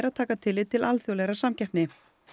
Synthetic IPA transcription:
ɾaðt̪ʰaːkat̪ʰɪlːɪt̪ʰɪlalθjowlɛɾasamcɛhpnɪ

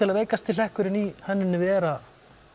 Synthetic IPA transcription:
ɪlaðveːjkast̪ʰɪlɛhkʏɾɪnihɛnːɪnːʏvɛːɾa

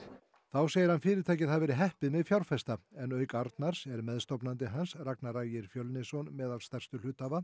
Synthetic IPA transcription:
θawseːjɪɾhanfɪːɾɪɾt̪ʰaːjcɪðaðvɛːɾɪɦɛhpɪðmɛðfjawɾfɛst̪aɛnœːɥkaɾt̪naɾ̥sɛɾmɛðst̪ɔwpnant̪̬ɪɦansraknaraːjɪɾ̥fjœwlnɪsɔnmɛːðalst̪ɛr̥st̪ʏlʏːt̪ava

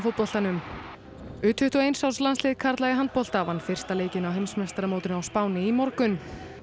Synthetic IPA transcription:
fʊt̪pɔl̥t̪anʏm | ʏːt̪hʏht̪ɔejnsawslanslɪːðkʰaɾt̪laɣɪɦant̪̚pɔl̥t̪aːvanfɪr̥st̪aleːjcɪnawɦejmsmɛst̪ɾamoːwt̪ɪnawspaːwnɪimɔɾkʏn

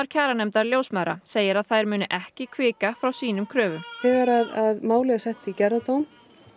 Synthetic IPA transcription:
aɾ̥cʰaːɾanɛmt̪aɾljoːwsmaɾa̰seːjɪɾaðθajɾmʏːnʏʔɛhcɪkʰvɪːkafɾawsiːnʏmkʰɾœːvʏmθɛːɣaɾaðaðmaːwlɛɣasɛht̪icɛɾðat̪owm

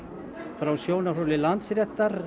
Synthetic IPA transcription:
fɾawsjownarolɪlant̪sɾjɛt̪ːaɾ

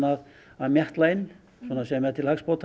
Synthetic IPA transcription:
nað | aðmjɛht̪laɪn | sɔːnːasɛmɛðt̪ʰɪlhakspowt̪ʰ

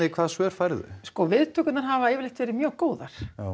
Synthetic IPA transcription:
ɪkʰv̥aːðsœːɾ̥fajɾðʏ̰skɔvɪðt̪ʰœːkʏt̪naɾ̥ɦavaeːvɪɾlejht̪vɛːɾɪmjœːɣkoːwðaɾ̥

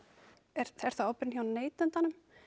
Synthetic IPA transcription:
ɛɾ̥θɛɾ̥t̪aowpɪɾnçawnneːjt̪ʏnt̪anʏm

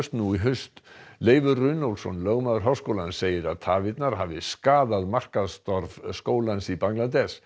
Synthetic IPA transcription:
st̪nuiɦʏst̪leːjvʏrʏnowlsɔnlœɣmaðʏɾɦœːwskowlan̥seːjɪɾaðt̪ʰaːvɪt̪naɾ̥ɦaːvɪskaːðaðmar̥kaðst̪ɔɾvskoːwlansipaŋlat̪ɛs

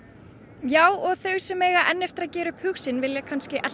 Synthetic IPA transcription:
jaːwɔɣθœɥsɛmɛːɣaʔɛnːɛft̪ɪɾacɛːɾʏphʏxsɪnvɪljɛkʰanscɪʔɛl

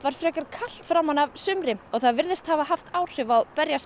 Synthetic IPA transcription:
vaɾ̥fɾɛːkaɾ̥kʰal̥t̪fɾawmhanavsʏmɾɪɔɣθaðvɪɾðɪst̪havahaft̪aːwr̥ɪvawpɛɾjas

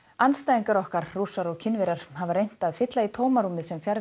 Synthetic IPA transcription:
anst̪ajðiŋkaɾɔhkaɾruːsaɾɔɣcʰɪnvɛɾaɾ̥havaɾrejn̥t̪aðfɪt̪lait̪ʰoːwmaɾumɪðsɛmfjaɾ

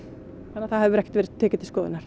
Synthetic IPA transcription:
anːaθaðhɛvʏɾɛhct̪vɛːɾɪ̥t̪ʰːɛːcɪt̪ɪl̥skɔːðɪ̰naɾ̥

